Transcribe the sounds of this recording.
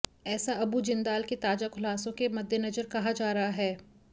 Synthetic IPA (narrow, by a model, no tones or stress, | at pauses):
ɛːsaɐbud͡ʒɪ̃nd̪aːlket̪aːd͡ʒakʰʊlaːsõkemɐd̪ʱjənɐd͡ʒəɾkɐɦad͡ʒaːɾɐɦaɦɛː